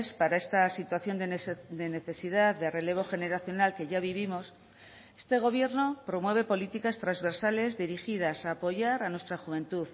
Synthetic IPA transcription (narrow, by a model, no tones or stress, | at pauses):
spaɾae̞st̪asit̪waθjo̞nd̪d̪e̞ne̞θe̞sið̞aððere̞le̞β̞o̞xe̞ne̞ɾaθjo̞nalke̞ʝaβiβ̞imo̞s | est̪e̞ɣ̞o̞βje̞ɾno̞pɾo̞mwe̞β̞e̞po̞lit̪ikast̪ɾazβe̞ɾsale̞zðiɾixið̞asaːpo̞ʝaɾanwe̞st̪ɾaxuβ̞e̞nt̪uð